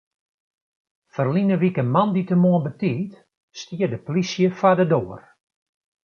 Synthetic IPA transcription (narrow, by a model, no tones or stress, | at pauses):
fərlinəʋikəmanditəmoənbətiːt | stiədəplisjəfadədoːər